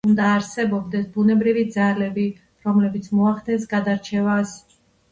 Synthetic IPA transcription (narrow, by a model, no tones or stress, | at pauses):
und̪aːɾsɛbɔbd̪ɛsbunɛbɾivid̪zalɛbi | ɾɔmlɛbit̪sʰmɔaχd̪ɛnsɡad̪aɾt͡ʃʰɛvas